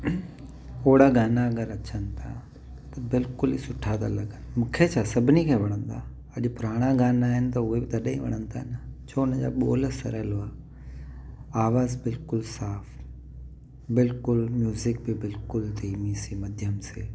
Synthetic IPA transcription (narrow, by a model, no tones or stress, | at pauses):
oːɽaɡaːnaɐɡəɾɐt͡ʃʰənt̪ʰa̰ | t̪ɐbɪlkʊlɪsʊʈʰaːd̪a̰ːlɐɡənmʊ̃ːkʰet͡ʃʰasɐbʱnikʰeːʋɐɽ̃ə̃nd̪aː | ɐʄpʊɾaːɽ̃aɡaːnaɦɪnɪt̪ɐʊʋebit̪ɐɗəḭ̃ʋɐ̰ɽ̃ə̃nd̪anɐt͡ʃʰoːʊnə̃d͡ʑa̰ːɓoːləsɐ̰ɾəlɦʊaː | aːʋaːzbɪlkʊlsaːf | bɪlkʊlmjuːzɪk̚bibɪlkʊld̪eːmisimɐd̪ʱjəmseː